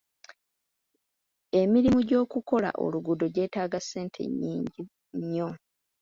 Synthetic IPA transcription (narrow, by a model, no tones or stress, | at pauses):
e̞miɾimuɟo̞ːkuko̞la̰ʔo̞̰luɡudo̞ɟe̞ːtaːɡase̞ːntʰe̞̰ɲːiːɲɟi | ɲːo̞